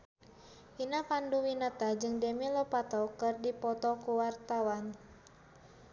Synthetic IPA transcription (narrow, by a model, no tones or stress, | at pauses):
ʔinapanduwinat̪ad͡ʒɨŋdɛmilɔpat̪ɔkɨrdipɔt̪ɔkuwart̪awan